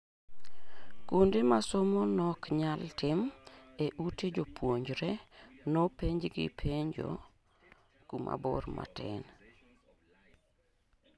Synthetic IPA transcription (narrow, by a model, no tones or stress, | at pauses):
kondemasomɔnɔkɲaltɪmeʔuted͡ʒopwoɲd͡ʒɾɛnɔpeɲd͡ʒɡɪ̰pʰeɲd͡ʒo̰ | kumʔa̰bɔ̰rma̰tɛ̰n